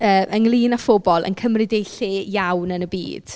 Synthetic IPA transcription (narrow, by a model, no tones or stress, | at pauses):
əːʔənlˠiːnafʊbɔlˠʔə̰nkʰəmrɪdejɬɪjawnənəbḭːd̥